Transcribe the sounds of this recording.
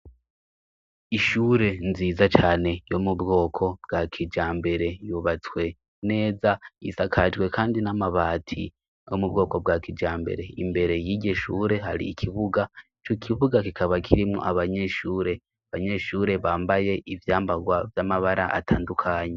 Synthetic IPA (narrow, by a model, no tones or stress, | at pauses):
iʃuːɾe̞nziːzat͡ʃaːne̞jo̞mubɡo̞ːkʰo̞bɡakʰid͡ʒaːmbe̞ɾe̞juβat͡swe̞ | ne̞ːzaisakʰad͡ʒɡwe̞kʰaːndinamaβaːtʰi | jomub̚ɡo̞ːko̞bɡakid͡ʒaːmbe̞̰ɾe̞imbe̞ɾe̞jiːɟeʃuːɾe̞ɦaɾḭːkʰiβuɡait͡ʃokʰiβuɡakikʰaβakʰiɾimŋo̰ʔaβaɲe̞ːʃuːɾe̞ | aβaɲe̞ːʃuːɾe̞βaːmbaje̞ʔivjaːmbaɡwavjamaβaɾaʔa̰tʰaːndukʰaːɲe